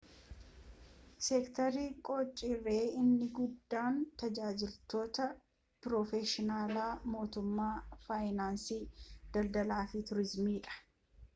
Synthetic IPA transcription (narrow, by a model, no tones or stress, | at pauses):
sɛkt̪ɐɾikʼɔːt͡ʃʼːɪrːeːɪnːɪɡʊd̪ːaːnt̪ɐd͡ʒaːd͡ʒɪlt̪o̞ːt̪ɐ | pɾɔfɛʃɪnaːlaːmo̞ːt̪ʊmːaːfaːjnaːnsiːd̪̥ɐld̪ɐlaːfɪt̪ʊɾɪzmiːᶑɐ̥